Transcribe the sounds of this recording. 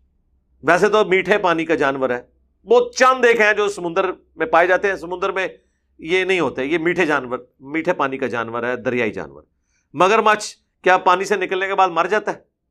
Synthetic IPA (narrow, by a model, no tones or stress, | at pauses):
ʋɛːs̬et̪omiːʈʰepaːnikad͡ʒaːnʋəɾɦɛː | bɔːt̪̚t͡ʃəmd̪eːkʰɦɛ̃d͡ʒoːsəmʊ̃nd̪əɾ | mẽpaːed͡ʒaːt̪eɦɛ̃ːsəmʊ̃nd̪əɾmẽ | jeːnɐɦĩɦoːt̪eɛ̃jeːmiːʈʰed͡ʒaːnʋəɾ | miːʈʰepaːnikad͡ʒaːnʋəɾɦɛːd̪əɾɪja̰ːḭd͡ʒa̰ːnʋə̰ɾ | məɡəɾmət͡ʃʰ | kjaːpaːnisenɪkəlnekebaːd̪mɐɾd͡ʒaːt̪aɛː